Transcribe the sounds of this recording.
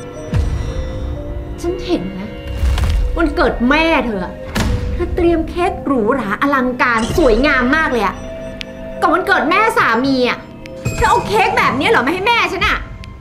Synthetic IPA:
t͡ɕʰa˦˥nhe˨˩˦nːa˦˥ | ma˧nkɤː˨˩t̪̚mɛː˥˩t̪ʰɤː˧˩a˨˩ | t̪ʰɤː˧t̪ɾi˧əmkʰeː˦˥k̚ɾuː˩˦ɾaː˩˦ʔa˧la˧ŋkaː˧nsu˨˩˦əjŋaː˧mːaː˥˩k̚lɤː˧ja̰˨˩ | kaː˧˩ma˧nkɤː˨˩t̪̚mɛː˥˩saː˩˦miː˧a˨˩ | pʰaː˦˥˩ʔo˧kʰeː˦˥k̚bɛː˨˩p̚ni˦˥ɐ˨lɔ˨˦ma˧ha˥˩jmɛː˥˩˧t͡ɕʰa˦˥nʔa˨˩

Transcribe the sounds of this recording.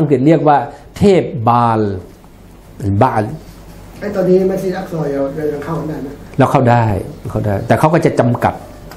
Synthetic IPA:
a˧ŋpɯ˨˩t̪̚ɾi˥˩ək̚waː˧˩t̪ʰeː˥˩p̚baː˧l | a˨nbaː˧˩l | ʔa˦˥˩jt̪ɔː˧nːiː˦˥ma˧˥˨nsiː˧˨ʔa˦˧˩k̚sɔː˧˩jdo˧˨a˧˩kʰa˧˩˨naː˧˩na˧˥˩lɛː˦˧˩wkʰa˧˥˩wda˥˩jwkʰa˥˩wdaː˥˩jt̪ɛː˨˩kʰa˦˥wkɔː˥˩t͡ɕa˨˩t͡ɕa˧mka˨˩t̪̚

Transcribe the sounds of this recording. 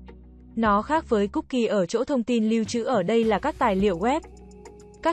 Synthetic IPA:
nɔ˨˦xaː˦˥k̚vəː˨˦jkʊ˦˥k͡p̚ki˧˩ʔəː˧˩t͡ɕo̰˧˥t̪ʰə˧wŋ͡mt̪i˧nli˧wt͡ɕɨ̰˧˥ʔəː˧˩ɗə˧jlaː˨˩kaː˦˥k̚t̪aː˨˩jlḭ˧˨əwɣwɛ˦˥p̚ | kaː˦˥

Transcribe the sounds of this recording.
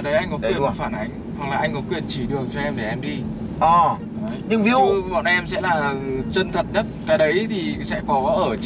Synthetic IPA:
ɗə˨˦jʔa˧jŋ̟kɔ˨˦kwə˨˩nwaː˨˩faː˧˩nʔa˨˦jŋ̟ | ha˨˩ŋlaː˨˩ʔa˧jŋ̟kɔ˨˦kwi˨˩ənt͡ɕi˧˩ɗɨ˨˩əŋt͡ɕɔ˧ʔɛ˧mɗe˧˩ʔɛ˧mɗi˧ | ʔɔː˨˩ | ɲɨ˧ŋvi˨˦mɔ̰˧˨nʔɛ˧msɛ̰˧˥laː˨˩t͡ɕə˧nt̪ʰə̰˧˨n̚ɗə˦˥t̚kaː˨˦ɗə˨˦jt̪ʰi˨˩sɛ̰˧˥kɔ˨˦ʔəː˧˩

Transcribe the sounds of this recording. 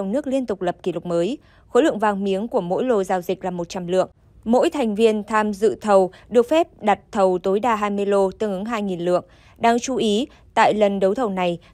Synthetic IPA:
wŋ͡mnɨ˦˥ək̚li˧ənt̪ʊ˨˩k͡p̚lə˨˩p̚ki˧˩lʊ˨˩k͡p̚məː˨˦j | xo˧˦lɨ̰˧˨əŋvaː˧˩ŋmi˨˦əŋku˧˩əmo̰˧˥jlo˧zaː˧wzï˨˩k̟̚laː˨˩mo˨˩t̚t͡ɕa˧mlɨ̰˧˨əŋ | mo̰˧˥jt̪ʰa˨˩jŋ̟vi˧ənt̪ʰaː˧mzɨ̰˧˨t̪ʰə˨˩wɗɨ˨˩ək̚fɛ˦˥p̚ɗa˨˩t̚t̪ʰə˨˩wt̪o˨˦jɗaː˧ɦaː˧jmɨ˧əjlo˧t̪ɨ˧əŋʔɨ˨˦ŋɦaː˧jŋi˨˩nlɨ̰˧˨əŋ | ɗaː˧ŋt͡ɕu˧ʔi˨˦ | t̪a̰ː˧˨jlə˨˩nɗə˨˦wt̪ʰə˨˩wna˨˩j

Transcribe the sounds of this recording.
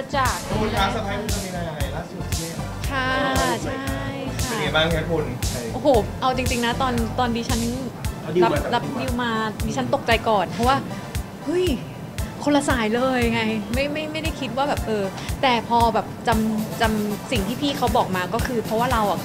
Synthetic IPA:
a˧t͡ɕaː˨˩k̚o˧aː˦˥sa˧aː˧˥u˧˩a˧˩mi˧a˧ja˧a˧jlaː˥˩su˨˩t̪̚ʰi˧˥˩a˦˧˥t͡ɕʰa˥˩t͡ɕʰa˥˩˥jkʰa˥˨˩ŋa˧baː˥˩ŋka˦˥˩kʰo˧nʰ˧ʔo˧˩hoː˨˩˦ʔa˧wt͡ɕi˧ŋt͡ɕi˧ŋna˦˥t̪ɔː˧nt̪ɔː˧ndiː˧˩t͡ɕʰa˦˥n˧ | i˧a˦˧la˦˥p̚di˧wmaː˧diː˧t͡ɕʰa˦˥nt̪o˨˩k̚t͡ɕa˧jkɔː˨˩npʰɔ˦˥waː˥˩ | hɯ˥˩j | kʰo˧la˧saː˩˦jlɤː˧jŋa˧jma˥˩jma˥˩jma˥˩jda˥˩jkʰi˦˥t̪̚waː˥˩bɛː˨˩p̚ʔɤː˧t̪ɛː˨˩pʰɔː˧bɛː˨˩p̚t͡ɕa˧mt͡ɕa˧msi˨˩ŋt̪ʰiː˥˩pʰiː˥˩kʰa˦˥wbɔː˨˩k̚maː˧kɔː˥˩kʰɯː˧pʰɾɔ˧˦˥waː˥˩ɾa˧wʔa̰˨˩

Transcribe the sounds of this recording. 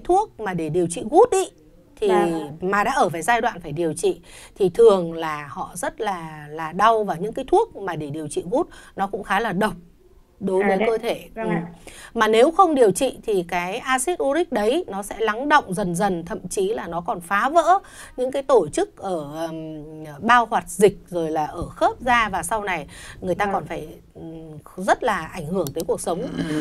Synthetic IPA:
a˨˦jt̪ʰu˦˥ək̚maː˨˩ɗe˧˩ɗi˨˩əwt͡ɕḭ˧˨ɣu˦˥t̚ɗi˨˦ | t̪ʰi˨˩maː˨˩ɗa̰ː˧˥ʔəː˧˩faː˧˩jzaː˧jɗwa̰ː˧˨nfaː˧˩jɗi˨˩əwt͡ɕḭ˧˨t̪ʰi˨˩t̪ʰɨ˨˩əŋlaː˨˩hɔ̰˧˨zə˦˥t̚laː˨˩laː˨˩ɗa˧wvaː˨˩wɲɨ̰˧˥ŋkaː˨˦jt̪ʰu˦˥ək̚maː˨˩ɗe˧˩ɗi˨˩əwt͡ɕḭ˧˨ɣu˦˥t̚nɔ˨˦kʊ̰˧˥ŋ͡mxaː˨˦laː˨˩ɗə˨˩wk͡p̚ | ɗo˨˦jvəː˨˦jkə˧t̪ʰe˧˩ʔɨ˨˩maː˨˩ne˨˦wxə˧wŋ͡mɗi˨˩əwt͡ɕḭ˧˨t̪ʰi˨˩kaː˨˦jʔaː˧si˦˥t̚ʔu˧ɾï˦˥k̟̚ɗə˨˦jnɔ˨˦sɛ̰˧˥la˨˦ŋɗə̰˧˨wŋ͡mzə˨˩nzə˨˩nt̪ʰə̰˧˨mt͡ɕi˨˦laː˨˩nɔ˨˦kɔ˨˩nfaː˨˦və̰ː˧˥ | ɲɨ̰˧˥ŋkaː˨˦jt̪o˧˩jt͡ɕɨ˦˥k̚ʔəː˧˩ɓaː˧whwaː˨˩t̚zï˨˩k̟̚zo˨˩jlaː˨˩ʔəː˧˩xəː˦˥p̚zaː˧vaː˨˩sa˧wna˨˩jŋɨ˨˩əjt̪aː˧kɔ˨˩nfaː˧˩j | zə˦˥t̚laː˨˩ʔa˧˩jŋhɨ˧˩əŋt̪ə˨˦jku˨˩ək̚sə˨˦wŋ͡m

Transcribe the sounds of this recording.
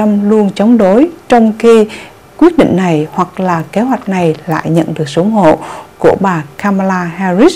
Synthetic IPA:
a˧mlu˧ənt͡ɕɔ˨˦wŋ͡mɗo˨˦jt͡ɕɔ˧wŋ͡mxi˧ | kwi˦˥ət̚ɗḭ˧˨ŋ̟na˨˩jhwa˨˩k̚laː˨˩ke˨˦ɦwa˨˩jk̟̚na˨˩jla̰ː˧˨jɲə̰˧˨nɗɨ˨˩ək̚sə˨˦ŋ͡mɦo̰˧˨ku˧˩əɓaː˨˩kaː˧maː˧laː˧haː˧zi˦˥s

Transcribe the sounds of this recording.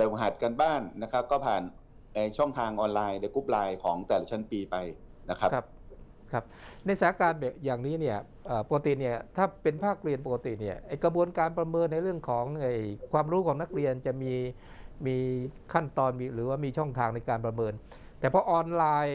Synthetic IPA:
leː˧˩ɦa˨˩t̪̚ka˧nbaː˥˩ŋːa˦˥kʰa˦˥p̚kɔː˥˩pʰaː˨˩n | na˧jt͡ɕʰɔ˥˩ŋt̪ʰaː˧ŋʔɔː˧nlaː˧jda˧˩jkuː˦˥p̚laː˧jkʰɔː˩˦ŋt̪ɛː˨˩la˦t͡ɕʰa˦˥˩npiː˧pa˧jna˦˥kʰa˦˥kʰa˦˥p̚ | kʰa˦˥p̚na˧jsaː˨˩˦kaː˧nbjaː˨˩ŋniː˦˥ni˥˩ɐ | ʔəː˨˩po˨˧ka˧t̪i˨˩ni˥˩ɐt̪ʰaː˥˩pe˧npʰaː˥˩k̚ɾi˧ənpo˨˩ka˧t̪i˨˩ni˥˩ɐʔa˧˩jkɾa˧bu˧ənkaː˧npɾa˧mɤː˧nːa˧jɾɯ˥˩əŋkʰɔː˩˦ŋʔaː˧˩jkʰwaː˧mɾuː˦˥kʰɔː˩˦ŋna˦˥k̚ɾi˧ənt͡ɕa˨˩miː˧ | miː˧kʰa˥˩nt̪ɔː˧nmiː˧ɾɯː˩˦waː˥˩miː˧t͡ɕʰɔ˥˩ŋt̪ʰaː˧ŋna˧jkaː˧npɾa˧mɤː˧n | t̪ɛː˨˩pʰɔː˧ʔɔː˧nlaː˧j

